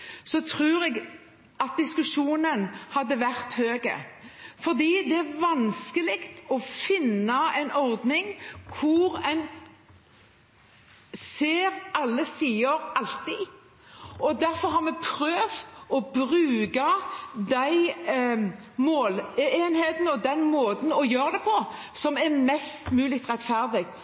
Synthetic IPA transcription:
sɔt̪ʰɾʉːɾɛɡ | ɑt̪̚d̪ɪskʉʂuːnənhɑd̪ːəʋæɾt̪høːɡə̰fɔɾd̪iːd̪ɛæɾʋɑnskəlɪkt̪ɔfɪnːɑɛɪnɔɾd̪nɪŋkʰʊɾɛn | seːɾɑlːəsiːəɾɑlt̪ɪ | ɔd̪æɾfɔɾɦɑɾmɛpʰɾøːft̪ɔbɾʉːɡɑd̪æɪ | moːleːnheːt̪nəɔd̪ɛnmoːt̪n̩ɔjøːɾd̪ɛpʰɔ | sɔmæɾmɛst̪mʉːlɪkt̪ʁɛt̪fæɾd̪ɪɡ

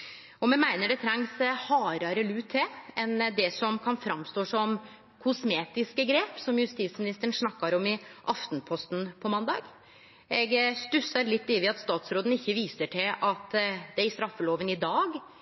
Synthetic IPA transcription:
ɔmɛmæɪnəɖɛt̪ʰɾɛŋshɑːɾɑɾəlʉːt̪ʰːɛɛnd̪ɛsɔmkʰɑnfɾɑmst̪oːsɔm | kʰʊsmeːt̪ɪskəɡɾeːpsɔmjʉst̪iːt̪smɪnɪst̪əəɳ̩ʂnɑkːɑɾɔmɪʔɑft̪npʰɔst̪n̩pʰɔmɑnd̪ɑ̰ːɡ | ɛɡst̪ʉsɑɾlɪt̪ːiːʋɪɑt̪st̪ɑːt̪sɾoːd̪n̩ɪçːəʋiːsəʈʰɪlʔɑt̪d̪ɛæɪst̪ɾɑfːəloːʋənɪd̪ɑːɡ

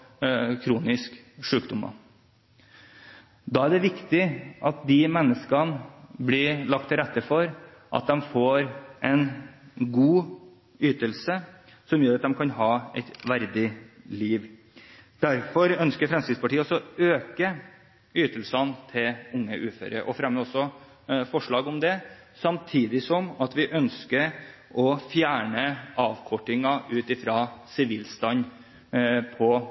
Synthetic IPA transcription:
kʰɾuːnɪsk | ʂʉːkd̪ʊmɑ̰ | d̪ɑːæɖɛʋɪkt̪ɪʔɑt̪̚d̪ɪmɛnːəskɑnbliːlɑk̚t̪ʰːɪɾɛt̪ːəfɔɾ | ʔɑ̰t̪̚d̪ɛmfoːɾʔɛnɡuː | yːt̪əlsə | sɔmjøːɾɑt̪̚d̪ɛmkʰɑnɦɑːɛ̰ɪt̪ʋæɾd̪ɪliːʋ | d̪̥æɾfɔɾœnskəɾfɾɛmsɪd̪spɑʈiːəɔsɔøːkə | yːt̪əlsɑnt̪ʰɪlʊŋːəʔʉːfø̰ːɾə̰ʔɔfɾɑmːəɔsːɔ | fɔʂɭɑːɡɔmd̪ɛsɑmt̪ʰiːd̪ɪsɔmɑt̪ʋɪʔœnskəɾ | ʔɔfjæːɳəɑːʋkʰɔʈːɪŋɑʔʉːt̪ɪfɾɑːsɪʋiːlst̪ɑn | pʰɔ

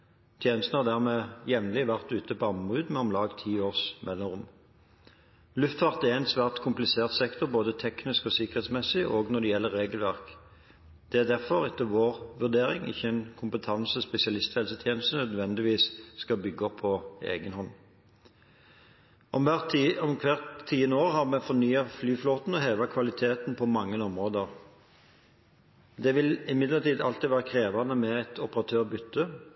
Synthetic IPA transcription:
t̪ʰjeːnəst̪n̩hɑʁd̪æːʁmeːjɛʋnlɪʋæʁt̪ʉːt̪əpɔɑmʁʉːd̪mɛɔmlɑːɡt̪ʰiːoːʁsmɛlːɔʁʊm | lʉft̪fɑʁt̪æɛnsʋæːʁt̪kʰʊmplɪseːʁt̪sɛkt̪ɔʁboːd̪ət̪ʰɛknɪskɔːsɪkəʁeːt̪smɛsɪʔoːɡnɔd̪ɛjɛlːəʁːeːɡəlʋæʁk | d̪̥ɛæd̪æʁfɔʁɛt̪ːəʋoːʁʋʉʁd̪eːʁɪŋɪ̰çːəɛnkʰʊmpət̪ʰɑnsəɔspɛsɪɑlɪst̪hɛlsət̪ʰjeːnəst̪ənœd̪ʋɛnd̪ɪʋiːsskɑbʏɡːəɔpʰːɔḛːɡənhɔnː | ʔɔmæɔmkʰʋæʁt̪ʰːiːənəoːʁɦɑʁmɛfɔnyːɑflyːfloːt̪n̩ɔɦeːʋɑkʰʋɑlɪt̪ʰeːt̪npʰɔmɑŋːənɔmʁoːd̪əʁ | d̪ɛʋɪlɪmɪd̪ləʁt̪iːd̪ɑlt̪iːʋæːʁəkʰʁeːʋɑnəmɛɛt̪ʰɔpəʁɑt̪ʰøːʁbʏt̪ːə

